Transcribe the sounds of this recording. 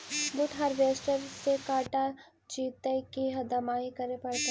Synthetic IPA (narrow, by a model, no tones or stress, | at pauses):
bʊʈʰɦɐɾʋeːsʈəɾsekaːʈa | t͡ʃiːt̪əkiɦɐd̪ɐmaːikɐɾepɐɽt̪e